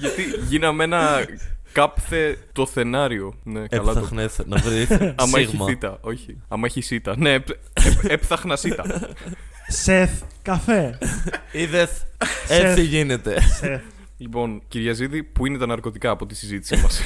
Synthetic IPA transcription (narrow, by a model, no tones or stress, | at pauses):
ʝɐt̪iʝinɐme̞nɐkɐpθe̞t̪o̞θe̞nɐɾio̞ne̞kɐlɐtnenɐvɾiθɐmɐeçɣimɐit̪ɐo̞çi | ɐmɐeçisit̪ɐne̞p | epepθɐxnɐsit̪ɐ | seθkɐfe | iðeet͡siʝinet̪e | lipo̞nciɾʝɐziðipuinet̪ɐnɐɾko̞t̪ikɐːpo̞t̪isizit̪i̥simɐs